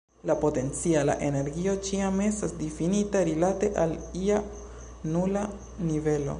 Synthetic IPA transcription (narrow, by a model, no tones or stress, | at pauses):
lapo̞te̞nt͡siala̰ʔe̞ne̞ɾɡio̞t͡ʃiamestasdifinitaɾilate̞ʔalia | nula | nive̞lo̞̰